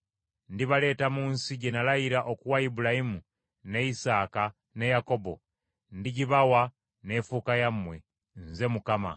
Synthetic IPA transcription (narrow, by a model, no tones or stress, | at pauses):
ndiβale̞ːtamuːnsiɟe̞nalajiɾaʔokuwaibulahimu | ne̞isaːka | ne̞jako̞bo̞̰ | ndiɟiβawa | ne̞fuːkajamwe̞ | nze̞mukama̰